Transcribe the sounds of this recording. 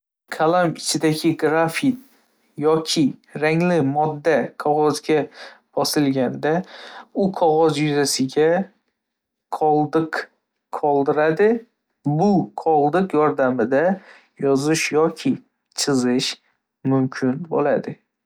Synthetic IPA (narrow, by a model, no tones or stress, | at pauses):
kʰalamɪt͡ʃʰɪd̪aɡʲɪɡɾafit̪̚ | jɒkʲʰɪɾaŋlɪmɒd̪ːaqʰɒʁɒzɡʲab̥ɒsɪlɡʲand̪aʊqʰɒʁɒzjʊzasɪɡʲa | qʰɒlˠd̪ɨq | qʰːɒlˠd̪ɪɾad̪ɪ | bʊqʰɒlˠd̪ɨqjɒɾd̪amɪd̪a | jɒzɪʃjɒkʲʰɪ | t͡ʃʰɨzɪʃ | mʊmkʲʰɪnbo̰la̰d̪ɪ